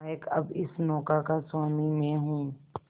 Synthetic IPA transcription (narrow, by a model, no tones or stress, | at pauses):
jɪkɐbɪsnɔːkakaswaːmimẽɦũː